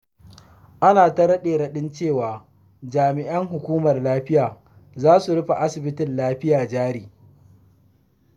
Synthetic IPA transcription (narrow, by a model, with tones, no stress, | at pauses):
ʔa˦naː˨tɐ˦ɾɐ˦ɗeː˨ɽɐ˦ɗɪ˦nt͡ʃeː˦˨waː˨ | d͡ʒaː˨mɪ˨ʔɐ˦ŋɦʊ˨kʷuː˦mɐ˨rlaː˦ɸɪ˦jaː˨ | zaː˦su˨ɽʊ˦ɸa˨ʔa˦sɪ˨bɪ˦tɪ˨nlaː˦ɸɪ˦jaː˨d͡ʒaː˦ɾiː˨